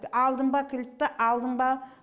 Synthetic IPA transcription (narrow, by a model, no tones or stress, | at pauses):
ɑlˠd̪əmbɑkʲʰɪlɪp̚t̪ːɪʔɑlˠd̪əmbɑ